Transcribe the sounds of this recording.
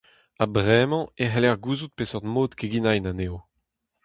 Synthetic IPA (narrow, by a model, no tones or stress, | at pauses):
abʁɛmɑ̃eɦɛlɛʁɡuːzut̪̚pesɔʁd̪moːt̪keɡinajnaneːo